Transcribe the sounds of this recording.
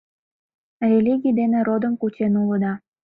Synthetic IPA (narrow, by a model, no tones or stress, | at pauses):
rʲelʲiɡʲijd̪enĕɾod̪əmkut͡ɕenuləd̪ɑ